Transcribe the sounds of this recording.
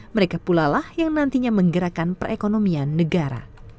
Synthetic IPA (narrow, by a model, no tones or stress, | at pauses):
məɾekapulalahjaŋnant̪iɲaməŋɡəɾakanpərekonomianːəɡaɾa̰